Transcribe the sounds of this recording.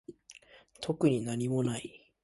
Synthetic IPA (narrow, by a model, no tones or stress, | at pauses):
t̪ʰo̞kɯ̟ɲ̟inaɲ̟imo̞nai